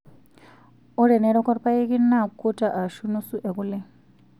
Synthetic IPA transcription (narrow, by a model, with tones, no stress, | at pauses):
ɔ˦ɾɛ˨nɛ˨ɾɔ˦kɔ˦ɾpa˦i˦ki˦na˦˨ku˦tʼa˨ʔa˨ʃu˦nu˦su˦ʔɛ˨ku˦lɛ˦